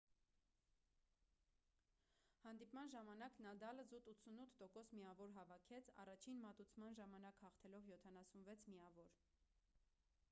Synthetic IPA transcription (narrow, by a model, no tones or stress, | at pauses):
hɑnd̪ipmɑnʒɑmɑnɑknɑd̪ɑləzut̪ut͡sʰunut̪ʰt̪ɔkɔsmiɑvɔɾɦɑvɑkʰɛt͡sʰɑ̰rɑt͡ʃʰinmɑt̪ut͡sʰmɑnʒɑmɑnɑkhɑχt̪ʰɛlɔvjɔt̪ʰɑnɑsunvɛt͡sʰmiɑvɔɾ